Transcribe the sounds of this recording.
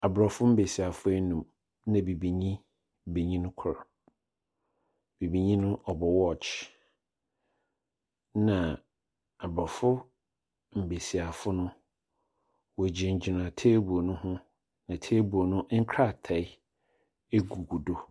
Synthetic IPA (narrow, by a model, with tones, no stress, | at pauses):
a˨bɾɔ˨fʊ˦m̩˦be˨si˨a˨fʊ˦ɛ˦nũ˨m | nã˨bi˨bi˨ɲĩ˦ | be˨ɲĩ˦nʊ̃˦kʰʊ˨ɾa˨ | b̥i˨bi˨ɲĩ˦nʊ̃˦ʔɔ˨bɔ˨wɔ˦˨t͡ɕ | nã˨ | a˨bɾɔ˨fʊ˦ | m̩˨be˨si˨a˨fʊ˦nʊ̃˦ | wɔ˨d͡ʑi˨ɲ̩˨d͡ʑi˨nã˨tʰeː˦bu˨o˨nʊ̃˦hʊ̃˦ | nã˨tʰe˦bu˨o˨nʊ̃˦ŋ̩˦kʰɾa˦˨tʰɛ˨ɪ˦ | e˦ɡu˨ɡu˨do˦